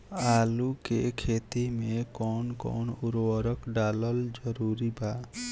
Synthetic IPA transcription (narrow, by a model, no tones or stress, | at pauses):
alukḛkʰet̪imekɔnkɔ̰nuɾwɔɾɔkɖalɔld͡ʒɔɾuɾiba